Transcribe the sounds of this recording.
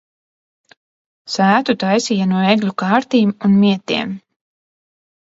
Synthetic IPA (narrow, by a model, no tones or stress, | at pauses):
sæːt̪ut̪ajsiːjanuɔeɡlʲukaːɾt̪iːmunmiɛt̪iɛm